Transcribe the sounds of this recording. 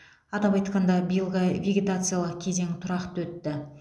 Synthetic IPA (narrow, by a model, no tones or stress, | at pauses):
ɑt̪ɑpɑjt̪qɑnd̪ɑbijəlˠʁɑvʲeɡʲe̞t̪at̪sɨjalˠəqkʲʰe̞ze̞ŋt̪ʰʊɾɑqt̪wɵt̪ːɪ